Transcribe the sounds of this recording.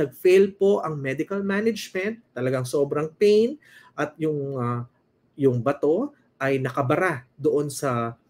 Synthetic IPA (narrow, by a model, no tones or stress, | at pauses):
ɐɡ̚felpo̞ʔɐŋmɛd̪ɪkɐlmanɐd͡ʒmɛnt̪ːɐlɐɡaŋso̞ːbɾɐŋpɛjn | ʔɐt̪̚jʊŋɐ | jʊŋbɐt̪o̞ | ʔɐjnɐkɐbɐɾad̪oʔo̞nsɐ